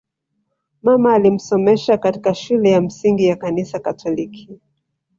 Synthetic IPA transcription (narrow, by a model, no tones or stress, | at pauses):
mamaːlim̩sɔmɛʃakatikaʃulɛjam̩siŋɡijakanisakatʰɔlikʰi